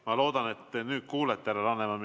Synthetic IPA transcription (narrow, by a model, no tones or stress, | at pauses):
mɑlo̞ːd̪ɑnet̪ːenyːt̪̚kuːlet̪ːˑæɾelɑnːemɑm